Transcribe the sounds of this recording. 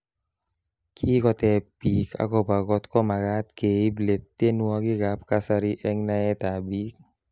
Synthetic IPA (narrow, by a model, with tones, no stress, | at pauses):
kʰi˦kɔ˧t̪ɛ˧pi˨kʰa̰˨kɔ˧ba˨ɡɔ˧t̪kɔ˦ma˨ɡa˦t̪ke˨i˦ble˨t̪ːe˦nwɔ˧ki˦ɡa˦p̚ka˦sa˧ɾi˦ʔɛ˦ŋna˧e˦t̪a˨bi˦k̚